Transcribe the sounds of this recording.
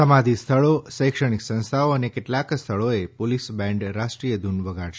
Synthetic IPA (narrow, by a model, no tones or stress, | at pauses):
əmad̪ʱist̪ʰəɭosəjkʂəɽ̃iksə̃w̃st̪ʰaoənekeʈlakst̪ʰəɭoepolisbɛ̃ɳɖɾasʈɾijəd̪ʱunʋəɡʱaɽʃe